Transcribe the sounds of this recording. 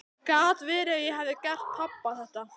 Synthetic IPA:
kaːt̪vɛːɾɪaðjɛɦavðɪcɛr̥t̪ʰːapːaθɛht̪a

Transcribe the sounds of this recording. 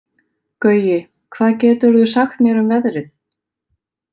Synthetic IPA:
kœːɥjɪ | kʰv̥aːðcɛːt̪ʏɾðʏsaxt̪mjɛɾʏmvɛðɾɪθ

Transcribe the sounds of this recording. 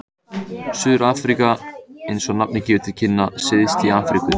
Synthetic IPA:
sʏːðɾaːfɾikaejnsɔnap̚nɪcɪːvɪɾt̪ʰɪl̥cʰɪnːasɪðɪst̪iaːfɾikʏ

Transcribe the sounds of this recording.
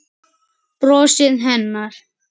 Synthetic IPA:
pɾɔːsɪðɦɛnːaɾ̥

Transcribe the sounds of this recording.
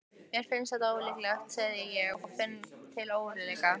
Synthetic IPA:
jɛɾfɪnsθɛht̪aoːwɪlɪklɛxt̪sɛðɪjɛɣɔɣfɪnːt̪ʰɪloːwɾɪlɛjka

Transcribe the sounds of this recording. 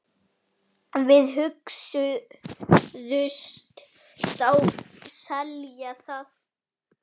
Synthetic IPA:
vɪðɦʏksʏ | ðʏst̪ | t̪awsɛljaθaːθ

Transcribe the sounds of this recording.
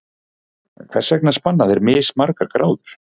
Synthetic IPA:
kʰθɛsːɛknḁspanːaðɛɾmɪːsmaɾkaɾkɾʔaːwðʏɾ̥

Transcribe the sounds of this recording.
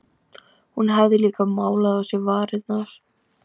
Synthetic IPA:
hunɦavðɪliːkamaːwlaðawsjɛvaːɾɪðnaɾ̥

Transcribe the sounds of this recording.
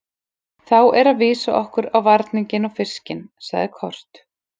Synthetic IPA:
θawʔɛɾaðvɪːsaʔɔhkʏɾawvaɾt̪nɪɲcɪnɔfɪ̥scɪnsa̰ɣðɪkʰɔr̥t̪

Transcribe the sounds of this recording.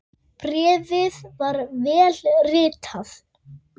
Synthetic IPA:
pɾɛːvɪðvaɾvɛːlrɪːt̪ʰaθ

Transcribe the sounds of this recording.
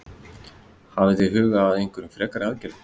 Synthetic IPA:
havɪtiɦʏːɣaːðejŋ̥kʰʏɾʏmfɾɛːkaɾɪaðcɛɾt̪

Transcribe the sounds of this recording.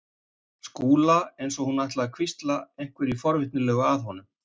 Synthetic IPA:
skuːlaejnsɔhunajht̪laakʰvist̪laejŋ̥kvɪɾifɔɾvɪht̪nɪlɛːɣʏaðɦɔnʏm

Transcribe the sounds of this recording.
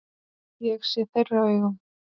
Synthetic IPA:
jɛɣsjɛθejrːavɛɣʏm

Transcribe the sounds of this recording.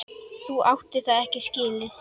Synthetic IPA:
θuawht̪ɪθaðɛhcɪsciːlɪ

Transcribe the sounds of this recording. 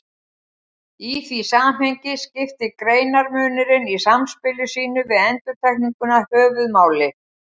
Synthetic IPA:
iθisaːmɦejɲcɪscɪft̪ɪkɾeːjnaɾmœːnɪɾɪnisamspɪlʏsiːnʏvɪðɛnt̪ʏɾ̥t̪ʰajkniŋkʏnahœːvʏðmaːwlɪ

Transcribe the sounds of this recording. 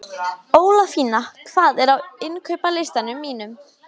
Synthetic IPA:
oːwlafiːnakʰv̥aːðɛɾawɪnkʰœɥpalɪst̪anʏmːiːnʏm

